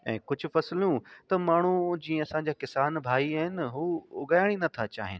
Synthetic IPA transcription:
ɛ̰̃ːkʊd͡ʑʱʊ̆fɐsljũt̪ɐmaːɳ̤ud͡ʑiːẽɐsãɲd͡ʑaːkɪsaːnbʱaːiaːɦɪnɦuːʊɡaːjɪɽ̃inɐt̪ʰat͡ɕa̰ːɦɪnɪ̆

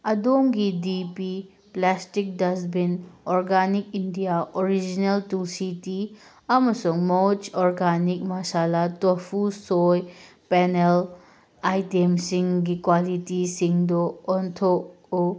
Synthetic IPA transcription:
ɐdoŋɡidipi | plastik̚dɐsbinoɾɡanik̚indijaʔoɾid͡ʒineltulsiti | ɐmɐsuŋmot͡ʃoɾɡanik̚masalatopʰusoj | penel | ajtemsiŋɡikwalitisiŋdɔːntʰok̚ | u

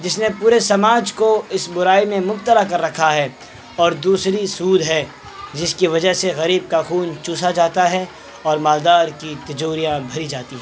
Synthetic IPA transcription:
d͡ʒɪsnepuːɾesɐmaːd͡ʒkoɪsbʊɾaːimẽmʊb̚t̪əlakɐɾːɐkʰaɦɛ | ɔːɾd̪uːsɾisuːd̪ɦɛ | d͡ʒɪskiʋɐd͡ʒəɦseɣɐɾiːb̚kaxuːnt͡ʃũːsad͡ʒaːt̪aɦɛ | ɔːɾmaːld̪aːɾkit̪ɐd͡ʒoːɾijãbʱɐɾid͡ʒaːt̪iɦɛː

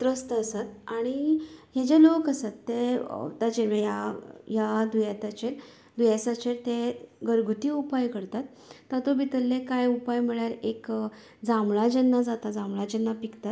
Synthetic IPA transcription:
t̪ɾəst̪əəsat̪aɽ̃iɦed͡ʑelokəsat̪ːḛt̪ad͡ʑeɾmejajad̪ujat̪at͡ɕeɾ | d̪ujasat͡ɕeɾt̪eɡəɾɡʱut̪iupajkəɾt̪at̪ː | at̪obit̪əlːekajupajm̤iɭjaɾek | d͡zamɭad͡ʑənːad͡zat̪ad͡zamɭad͡ʑənːapikt̪at̪

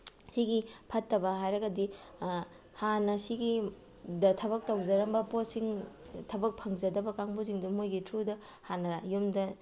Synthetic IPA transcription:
siɡipʰɐtːɐbɐɦajɾɐɡɐdi | hanɐsiɡi | dɐtʰɐbɐk̚tɐwd͡ʒɐɾɐmbɐposiŋtʰɐbɐk̚pʰɐŋzɐdɐbɐkaŋbuziŋdumojɡitʰɾudɐ | hanɐajumdɐ

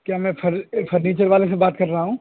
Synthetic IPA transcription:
kjaːmɛ̃ːfʰɐɾfɐɾniːt͡ʃəɾʋaːlesebaːt̪̚kɐɾːɐɦaɦũː

